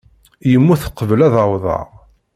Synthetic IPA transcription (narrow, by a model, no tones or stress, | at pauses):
jəmːuθə̥qːəvəlæðəwðˤɑ̰ʁ